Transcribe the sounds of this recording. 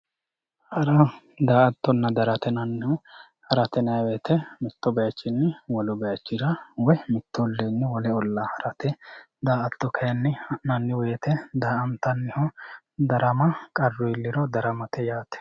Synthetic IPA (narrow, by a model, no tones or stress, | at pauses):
hɐɾɐ | d̪aːʔɐt̪ːɔnːɐd̪ɐɾɐt̪ɛnɐnːɪhɔ | hɐɾɐt̪ɛnɐjɐweːt̪ʰɛmɪt̪ːɔbɛjɐt͡ʃːɪnːɪwɔlʊbɛjɐt͡ʃːɪɾɐwɔjmɪt̪ːɔlːeːnːɪwɔlɛɔlːahɐɾɐt̪ɛ | d̪aːɐt̪ːɔkʰɐjɐnːɪnɐnːɪwe̞ːt̪ɛd̪aːɐnt̪ːɐnːɪhɔ | d̪ɐɾɐmɐkʼɐrːʊɪlːɪɾɔd̪ɐɾɐmɐt̪ɛjaːt̪ɛ̥